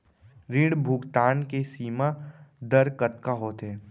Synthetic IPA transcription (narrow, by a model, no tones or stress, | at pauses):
ɾɪ̃ɽbʱʊɡt̪aːnkesiːmad̪ɐɾkət̪kaɦoːt̪ɦɛː